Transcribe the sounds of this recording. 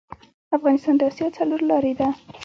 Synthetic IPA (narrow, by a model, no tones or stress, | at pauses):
afɣɑnɪst̪ɑnd̪əɑsjɑt͡sʰaluɾlɑɾed̪a